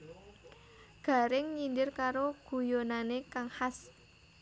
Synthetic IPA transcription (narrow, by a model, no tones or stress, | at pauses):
ɡ̥a̤ɾɪŋɲindɪrkaɾoɡ̥ṳjonanekaŋhas